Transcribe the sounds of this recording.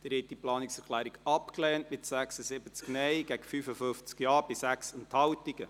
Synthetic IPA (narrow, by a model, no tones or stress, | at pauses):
d̥ɪɾhɛt̚d̥iplɑːniksɛɾkʰlæːɾiɡɑpklɛːntmɪtsæksəsɪbət͡sknɛjɡ̥æɡ̥əfyfəfʏft͡skjɑːɾbɪsæksənthɑwtiɡ̥ə